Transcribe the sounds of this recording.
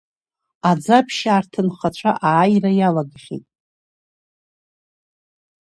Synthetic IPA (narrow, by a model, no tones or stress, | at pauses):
ad͡zapʰʃaːrtʰɨnχat͡ʃʷʰaʔaːjrajalaɡχʲḭtʼ